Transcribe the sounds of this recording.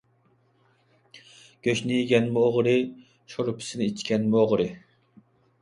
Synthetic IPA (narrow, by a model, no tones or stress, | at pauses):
ɡ̥ʲøʃnɪjiɡʲɛnmʊoʁɾɨ | ʃoɾʊpʰɪ̥sɪnɪit͡ʃʰkʲɛnmoʁɾɨ